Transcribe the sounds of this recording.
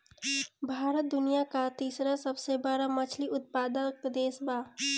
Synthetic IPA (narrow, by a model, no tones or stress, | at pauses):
bʱaːɾət̪̚d̪ʊnijakat̪iːsɾasəbsebaːɾamɐt͡ʃʰliʔʊt̪̚paːd̪əkd̪eːsbaː